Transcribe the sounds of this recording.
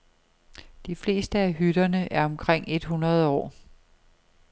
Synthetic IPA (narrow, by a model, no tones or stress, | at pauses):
d̥ifle̝̰ːsd̥əæɦyɾ̥ɐnəʔæɐɒ̽mkʰʁeŋ̰e̝d̥ɦunʁɐð̞̩ˠɒ̰ː